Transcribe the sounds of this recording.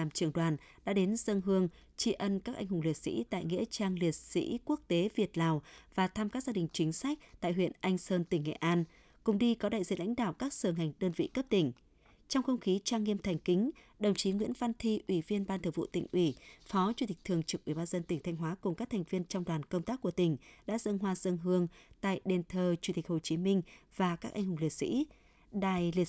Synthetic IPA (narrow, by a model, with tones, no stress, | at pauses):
aː˨˩mt͡ɕɨ˧˨˩əŋɗwaː˨˩n | ɗa̰ː˧˥ɗe˨˦nzə˧ŋɦɨ˧əŋ | t͡ɕi˧ʔə˧nkaː˦˥kʔa˧jŋ̟ɦʊ˨˩ŋ͡mli˨˩ət̚sḭ˧˥t̪a̰ː˧˨jŋḭ˧˥ət͡ɕaː˧ŋli˨˩ət̚sḭ˧˥ku˦˥ək̚t̪e˨˦vi˨˩ət̚laː˨˩wvaː˨˩t̪ʰaː˧mkaː˦˥k̚zaː˧ɗï˨˩ŋ̟t͡ɕï˨˦ŋ̟sa˦˥k̟̚t̪a̰ː˧˨jɦwḭ˧˨ənʔa˧jŋ̟səː˧nt̪ï˧˩ŋ̟ːŋḛ˧˨ʔaː˧n | kʊ̰˨˩ŋ͡mɗi˧kɔ˨˦ɗa̰ː˧˨zḭ˧˨la̰˧˥jŋ̟ɗa̰ː˧˨wkaː˦˥k̚səː˧˩ŋa˨˩jŋ̟ɗəː˧nvḭ˧˨kə˦˥p̚t̪ï˧˩ŋ̟ | t͡ɕɔ˧wŋ͡mxə˧wŋ͡mxi˨˦t͡ɕaː˧ŋːi˧əmt̪ʰɛ˨˩ŋ̟kï˨˦ŋ̟ | ɗə˨˩wŋ͡mt͡ɕi˨˦ŋwḭ˧˥ənva˧nt̪ʰi˧ʔwi˧˩vi˧ənɓaː˧nt̪ʰɨ˧˩vṵ˧˨t̪ï˨˩ŋ̟ʔwi˧˩fɔ˨˦t͡ɕu˧t̪ï˨˩k̚t̪ʰɨ˨˩əŋt͡ɕɨ˨˩k̚ʔi˧˩ɓaː˧nzə˧nt̪ï˧˩ŋ̟t̪ʰa˧jŋ̟ɦwaː˨˦kʊ˨˩ŋ͡mkaː˦˥k̚t̪ʰɛ˨˩ŋ̟vi˧ənt͡ɕɔ˧wŋ͡mɗwaː˨˩nkə˧wŋ͡mt̪aː˦˥k̚ːu˧˩ət̪ï˨˩ŋ̟ɗa̰ː˧˥zə˧ŋɦwaː˧zə˧ŋɦɨ˧əŋt̪a̰ː˧˨jɗe˨˩nt̪ʰəː˨˩t͡ɕu˧˩t̪i˨˩k̟̚ho˨˩t͡ɕi˨˦mï˧ŋ̟vaː˨˩kaː˦˥k̚ʔa˧jŋɦʊ˨˩ŋ͡mli˨˩ət̚sḭ˧˥ | ɗa̰ː˧˨jli˨˩